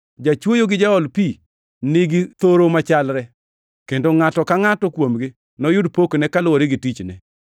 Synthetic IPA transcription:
d͡ʒat͡ʃwojoɡɪd͡ʒaɔlpi | nɪɡɪt̪oɾomat͡ʃalɾɛ | kendoŋatɔkaŋatɔkwomɡɪ | nɔjʊdpoknɛkalʊwɔɾɪɡɪtit͡ʃnɛ̰

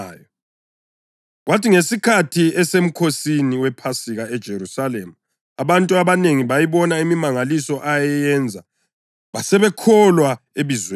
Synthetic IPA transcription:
jɔ | ɣwatiŋesikʰatʰiɛsem̩kʰosiniwɛpʰasiɣaɛd̥ʒ̥ʱeɾusalemu | aβantʼuaβaneŋiβajiβɔnaimimaŋalisɔʔajɛjɛnd͡zʱa | βasɛβɛkʰɔlwa | eβizw

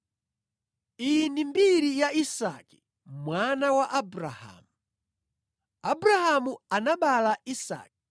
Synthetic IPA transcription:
inimbiɾijaisa̰ki̥ | mwanawaʔabɾaha̰ːmu | abuɾahamuanaɓalaisa̰ːk̚i

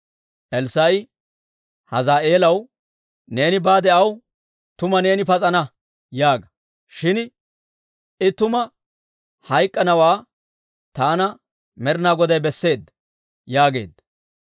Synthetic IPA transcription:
ʔɛlsɐj | hɐzaːʔe̞ːlɐw | ne̞ːnɪbaːd̪ɛʔɐw | t̪ʊmɐne̞ːnɪpɐt͡sʼɐnɐ | jaːɡɐ | ʃɪn | ɪt̪ʊmɐ | hɐjkʼːɐnɐwaː | t̪aːnɐ | mɛɾnaːɡɔd̪ɐjbɛsːe̞ːd̪ːɐ | jaːɡe̞̰ːd̪ːɐ

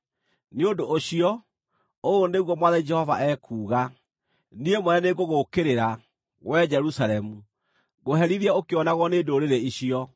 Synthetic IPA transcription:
neondoʔːɕiɔ | ooneɣwɔmwaðɛid͡ʒɛhɔva̰ʔɛkʰuːɣa | niemwɛɛneɡoɣokeɾeɾa | ɣwɛd͡ʒɛɾusaɾɛmu | ɣoɦɛɾiɾiɛokeɔnaɣɔneːdoɾeɾeiɕiɔ

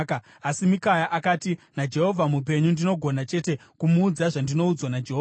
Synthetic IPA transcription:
k | asimikajaʔakaːtinad͡ʒe̞ɦo̞vʱamup̬e̞ɲundino̞ɡʱo̞nat͡ʃe̞te̞kumuːd͡zaʐandino̞ud͡zwanad͡ʒeɦo

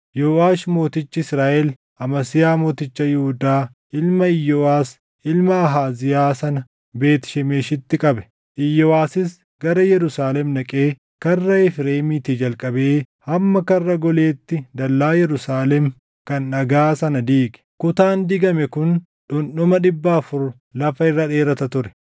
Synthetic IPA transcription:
jɔwaːʃmoːt̪ɪt͡ʃːɪɪsɾaːʔɛl | ɐmɐsɪjaːmoːt̪ɪt͡ʃːɐjʊhʊd̪aː | ʔɪlmɐɪjːɔwaːs | ʔɪlmɐːɦaːzɪjaːsɐnɐ | be̞ːt̪ɪ̥ʃɛmeːʃɪt̪ːɪkʼɐbɛ̥ | ʔɪjːɔwaːsɪs | ɡɐɾɐjɛɾʊsaːlɛmnɐkʼeː | kɐrːɐɪfɾeːmɪt̪id͡ʒɐlkʼɐbe̞ː | hɐmːɐkɐrːɐɡɔle̞ːt̪ːɪd̪ɐlːaːjɛɾʊsaːlɛm | kɐnːɐɡaːsɐnɐd̪iːkʼɛ̥kʊt̪aːnd̪ɪɡɐmɛkʊn | ᶑʊnɗʊmɐᶑɪbːaːfʊɾ | lɐfɐɪrːɐᶑe̞ːɾɐt̪ɐt̪ʊɾɛ̥

